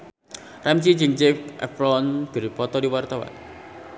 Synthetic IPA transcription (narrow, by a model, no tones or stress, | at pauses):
ramt͡ʃid͡ʒiŋd͡ʒɛfʔɛ̰frɔnɡ̥ə̤ɾipɔt̪ɔdiwart̪awa̰n